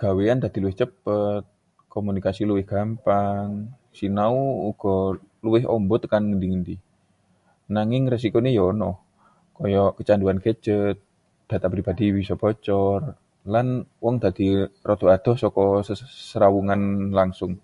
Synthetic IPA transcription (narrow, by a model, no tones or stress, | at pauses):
ɡ̥aweand̪ad̥̪iluwɪht͡ʃəpət̪̚ | komunikasiluwɪhɡ̥ampaŋ | sinauːɡ̥ɔ | luwɪɦɔ̰mbɔt̪kanŋəndiŋəndi | naŋɪŋres̬ikonijɔnɔh | kɔjɔkət͡ʃanduankəd͡ʒət̪̚ | d̪̥at̪apɾibadiwisɔb̥ɔt͡ʃɔr | lanwɔŋd̪ad̪irɔt̪uad̪̥ɔhsɔkɔsəɾawuŋanlaŋsʊŋ